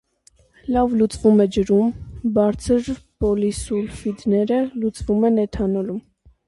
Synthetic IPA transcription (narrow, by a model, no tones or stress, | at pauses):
lɑvlut͡svumɛd͡ʒəɾumbɑɾt͡sʰəɾbɔlisulfid̪nɛɾəlut͡svumɛnɛt̪ʰɑnɔlum